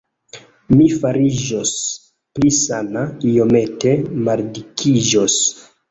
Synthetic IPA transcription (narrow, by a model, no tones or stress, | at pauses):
mifaɾiʒos | plisanaijo̞me̞te̞maɾdikʰiʒos